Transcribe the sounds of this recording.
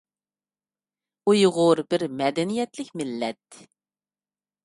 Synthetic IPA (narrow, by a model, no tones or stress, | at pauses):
ujʁʊɾbɪɾmɛd̪ɛnijɛt̪lɪkʲmɪlːɛt̪